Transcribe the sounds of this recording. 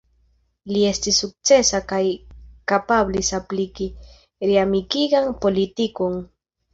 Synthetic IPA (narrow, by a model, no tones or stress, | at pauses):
liest̪isuk̚t͡sesakajkapablisapliki | ɾiamikiɡaŋpolit̪ikoŋ